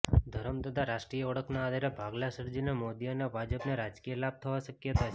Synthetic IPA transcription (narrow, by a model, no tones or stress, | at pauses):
d̪ʱəɾəmd̪əd̪aɾaʃʈɾijəɔɽəkʰnaːd̪ʱaɾebʱaɡlasəɾd͡ʒinemod̪ionebʱad͡ʒəpneɾad͡ʒkijelab̚t̪ʰəʋaʃəkjət̪at͡ʃʰ